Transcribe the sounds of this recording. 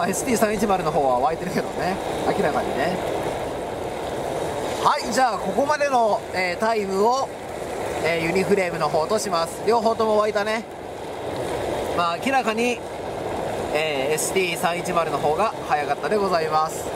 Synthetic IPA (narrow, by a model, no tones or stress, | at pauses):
e̞sɨ̥t̪ʲiːsãit͡ɕimaɾɯ̟no̞ɦo̞ːβaoβait̪e̞ɾɯ̟ke̞d̪o̞ne̞akʲiɾakaɲ̟ḭne̞ | haid͡ʑaːko̞ko̞mad̪e̞no̞eːt̪aimɯ̟o̞ | eːjɯ̟ɲ̟iɸɯ̟ɾe̞ːmɯ̟no̞ɦo̞ːt̪o̞ɕimasɨ̥ɾʲo̞ːɦo̞ːt̪o̞mo̞βait̪ane̞ | maːkʲiɾakaɲ̟i | eːsɨ̥t̪ʲiːsãɰ̃it͡ɕimaɾɯ̟no̞ɦo̞ːɡahajakat̪ːad̪e̞ɡo̞zaimasɨ̥